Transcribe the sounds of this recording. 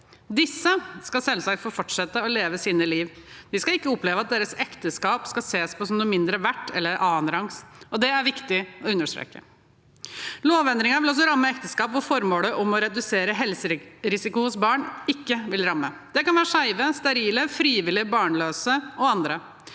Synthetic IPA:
d̪ɪsːəskɑsɛlːəsæɪfɔɾfɔʈʂɛt̪ːəɔleːʋəsiːnəliːʋd̪ɪskɑɪkːəɔpleːʋəɑt̪̚d̪eːɾəsɛkt̪əskɑːpskɑseːspʰɔsɔmnuːəmɪnd̪ɾəʋæʈːɛ̰lːəɾʔɑːnɾɑŋsɔd̪ɛæɾʋɪkt̪ɪɔʉnːəʂʈɾḛːkə̰ | loːʋɛnd̪ɾɪŋɑʋɪlɔs̬ɔɾɑmːəɛkt̪əskɑːpʋʊɾfɔɾmoːləʔɔmɔɾɛd̪ʉseːɾəɦɛlsəɾɾɪsɪkʊhʊsbɑːɳɪkːəʋɪlɾɑmːəd̪ɛkɑnʋæːɾəʂæɪʋəst̪ɛɾiːləfɾiːʋɪlɪbɑːɳløːsəɔɑnd̪ɾə

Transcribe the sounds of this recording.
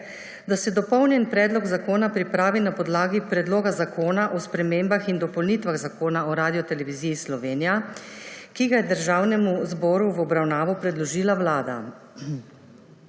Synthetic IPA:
d̪asɛd̪ɔpɔwnjɛnpɾɛːd̪lɔɡzakoːnapɾipɾaːʋinapɔd̪laːɡipɾɛd̪loːɡazakoːnaʔɔspɾɛmeːmbaxind̪ɔpɔwlnit̪ʋaɣzakoːnaɔɾaːd̪ijɔt̪ɛlɛʋiziːjːslɔʋeːnija | kiɡajɛd̪əɾʒawnɛmuzbɔːɾuʋɔbɾawnaːʋɔpɾɛd̪lɔʒiːlawlaːd̪a̰

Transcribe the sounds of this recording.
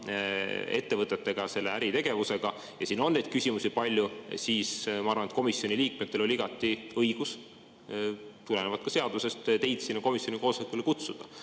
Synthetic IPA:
e̞̰t̪ːe̞vɤt̪ːˑe̞t̪ːe̞ɡ̥ɑse̞lːeæɾit̪e̞ɡ̥e̞vuse̞ɡ̥ɑ | jɑsiːnːo̞nːed̪̥̚kysʲimusipɑlʲːjusiːsmɑɑrvɑnet̪ko̞misjo̞nʲiliːk̚met̪ːe̞lo̞lʲiiɡ̥ɑt̪ːˑiɤjɡ̥us | t̪ule̞nevɑd̪̚kɑse̞ɑd̪use̞st̪t̪e̞jd̪̥siːnːɑko̞misjo̞niko̞ːsɑikːˑulekut̪sud̪̥ɑ

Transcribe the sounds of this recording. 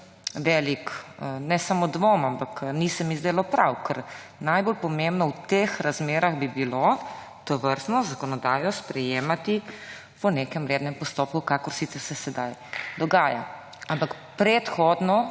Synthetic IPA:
ʋɛːliknɛsamod̪ʋomampaknisɛmizd̪eːlɔpɾawkəɾnajbolpɔmẽmbnɔwt̪exɾazmeːɾaɣbibilo | t̪ɔʋəɾt̪nɔzakɔnɔd̪aːjɔspɾɛjeːmat̪i | pɔnekɛmɾeːd̪nɛmpɔst̪oːp̚kukakɔɾsit̪sɛɾsɛsɛd̪ajd̪ɔɡaːja̰ | ampak | pɾɛt̪xɔd̪nɔ

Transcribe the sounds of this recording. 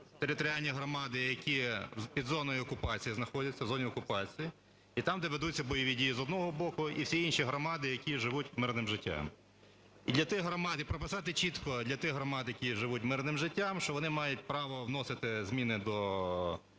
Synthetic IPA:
t̪eɾɪt̪ɔɾʲɪalʲnʲiɦɾɔmɑd̪ɪjɐkʲipʲid̪zɔnɔjiɔkʊpɑt͡sʲijiznɐxɔdʲɐt͡sʲːɐwzɔnʲiɔkʊpɑt͡sʲiji | it̪ɑmd̪ɔʋed̪ut͡sʲːɐbɔjɔʋʲidʲijizɔd̪nɔɦɔbɔkʊiwsʲiinʃiɦɾɔmɑd̪ɪjɐkʲiʒɪʋutʲmɪrnɪmʒɪtʲːa̰m | id̪lʲɐt̪ɪxɦɾɔmɑd̪ɪpɾɔpɪsɑt̪ɪt͡ʃit̪kɔd̪lʲɐt̪ɪxɦɾɔmɑd̪jɐkʲiʒɪʋutʲmɪrnɪmʒɪtʲːamʃt͡ʃɔʋɔnɪmɑjʊt̚ʲpɾɑʋɔʋnɔsɪt̪ɪzʲmʲinɪd̪ɔ

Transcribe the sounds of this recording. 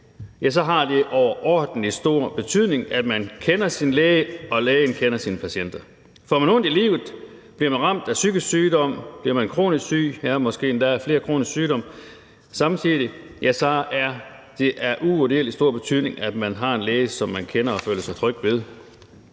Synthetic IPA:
jæs̬ɒ̽ɦɑ̈d̥e̝ʔɒʊɐʔɒːd̥n̩lisd̥o̝ɐ̰b̥e̝t͡sʰyð̰ˠne̝ŋæd̥mænkʰenɐsinleːɪəɒ̽leːɪənkʰenɐsiːnəpʰæɕen̰d̥ɐ | fɒmænɔ̽nd̥ilḭːʊð̩ˠb̥liɐmænʁɑ̈m̰d̥æsyɡ̥əsyːdɒ̽m̰b̥liɐmænkʰʁo̝̰ːnissy̰ːæmɒ̽sɡ̥e̝̰ːnd̥ææɐfle̝ːɐkʰʁo̝̰ːnisksyːɾɒ̽m̰ | sɑ̈mt͡sʰiðˠijæsɒæɐ | d̥e̝ʔæɐʔuodiḛlisd̥o̝ɐ̰b̥e̝t͡sʰyð̰ˠne̝ŋæd̥mænɦɑ̈e̝nleːɪəsɒ̽mːænkʰenɐɒ̽føːləsɑ̈ɪt͡sʰʁœɡ̥ʋeð̞ˠ

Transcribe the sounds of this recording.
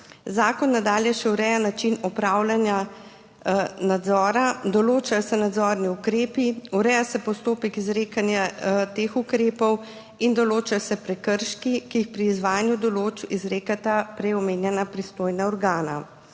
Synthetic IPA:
zaːkɔnːad̪aːljɛʃɛuɾɛjanat͡ʃinɔpɾaːwlanja | nad̪zɔːɾad̪ɔloːt͡ʃajɔsɛnad̪zɔːɾniukɾeːpiuɾɛjasɛpɔst̪oːpɛkizɾeːkanjat̪eːxukɾeːpɔw | ind̪ɔloːt͡ʃajsɛpɾɛkəɾʃkikijixpɾiːzʋaːjanjud̪ɔloːt͡ʃizɾeːkat̪apɾɛɔmeːnjɛnapɾist̪oːjnaɔɾɡaːna̰

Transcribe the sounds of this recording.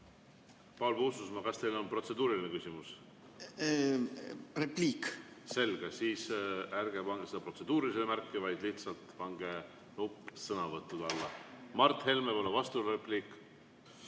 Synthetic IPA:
pɑlbususmɑkɑst̪e̞jlo̞npro̞t̪se̞d̪̥uːɾilinekysʲimus | repliːkse̞lɡ̥esiːsærɡ̥e̞pɑŋɡ̥esed̪ɑpro̞t̪se̞d̪̥uːɾiisemærkːivɑjd̪liht̪sɑlt̪ˑpɑŋɡ̥e̞ | nupːˑsɤnɑvɤt̪ˑːud̪ɑlːɑmɑrt̪ːˑhe̞lmepolevɑst̪urepliːkːˑ

